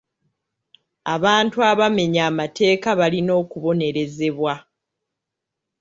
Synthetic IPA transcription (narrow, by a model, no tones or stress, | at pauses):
aβaːntuaβame̞ɲaːmate̞ːkaβalino̞ːkuβo̞ne̞ɾe̞ze̞βwa